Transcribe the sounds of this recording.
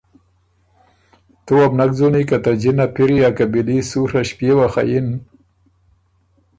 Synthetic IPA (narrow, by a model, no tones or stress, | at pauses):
t̪uwabnak̚d͡zunikat̪ad͡ʒinapiɾijakabilisuɾaʃpjewaxa̰jɪn